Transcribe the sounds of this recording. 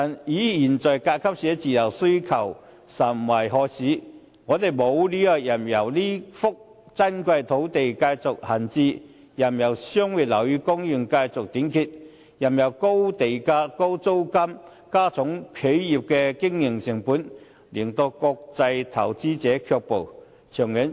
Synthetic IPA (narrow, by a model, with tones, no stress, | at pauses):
a˨˩njiː˨˥jiː˨˩nt͡sɔː˨˩jkaː˧t̚kʰɐ˥p̚sɛ˨˥t͡siː˨jɐ˨˩wsɵ˥ɥkʰɐ˨˩w | sɐ˨˩m˨wɐ˨˩jɦɔː˧siː˨˥ | ŋɔː˨˧t̪e˨˩jmo˨˧wliː˥ja˧k̚jɐ˨˩mjɐ˨˩wliː˥fʊ˥k̚ | t͡sɐ˥nkʷɐ˧jt̪ʰo˨˥wt̪e˨jkaː˧jt͡sʊ˨k̚hɐ˨˩nt͡siː˧ | jɐ˨˩mjɐ˨˩wsœː˥ŋwiː˨t̚lɐ˨˩wjyː˨˧kʊ˥ŋjy˨˩ŋkaː˧jt͡sʊ˨k̚t̪iː˨˥nkʰiː˧t̚ | jɐ˨˩mjɐ˨˩wko˥wt̪e˨jkaː˧ko˥wt͡so˥wkɐ˥m | kaː˥t͡sʰʊ˨˥ŋkʰe˨˥jji˨˩p̚kɛ˧kɪ˥ŋjɪ˨˩ŋsɪ˨˩ŋpuː˨˥n | liː˨˩nt̪o˧kɔː˧k̚t͡sɐ˧jt̪ʰɐ˨˩wt͡siː˥t͡sɛː˨˥kʰœː˧k̚po˨˩w | t͡ʃʰœː˨˩ŋji˨˥n